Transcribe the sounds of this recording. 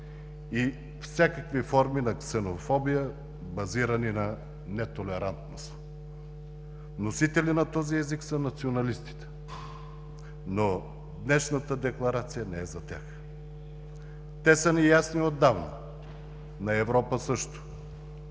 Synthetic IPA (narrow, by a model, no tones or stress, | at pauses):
i | fsʲjakəkvifɔɾminɐksɛnofɔbijə | bɐziɾɐninɐ | nɛt̪olɛɾant̪nos | nosit̪ɛlinɐt̪ɔziɛziksənɐt̪sionɐlist̪i̥t̪ɛ̥ | no | d̪nɛʃnət̪əd̪ɛklˠɐɾat̪sijənɛɛzɐt̪ʲax | t̪ɛsənijasniod̪ːavnɐ̰ | nɐɛvɾɔpəsɤʃt̪ʊ̥